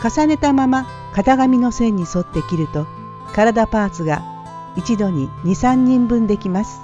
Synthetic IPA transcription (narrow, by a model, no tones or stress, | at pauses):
kasane̞t̪amama | kat̪aɡamʲino̞sẽ̞ɲ̟ːiso̞t̪ːe̞kʲiɾɯ̟t̪o̞ | kaɾad̪apaːt͡sɨɡa | it͡ɕid̪o̞ɲ̟iɲ̟isãɲ̟ːĩmbɯ̟̃nd̪e̞kʲimasɨ̥